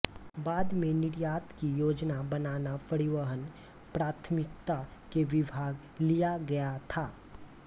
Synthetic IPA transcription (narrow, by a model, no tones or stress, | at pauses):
baːd̪mẽnɪɾjaːt̪kijoːd͡ʒnabənaːnapəɾɪʋəɦən | pɾaːt̪ʰmɪkt̪akeʋɪbʱaːɡ | lijaɡɐjat̪ʰaː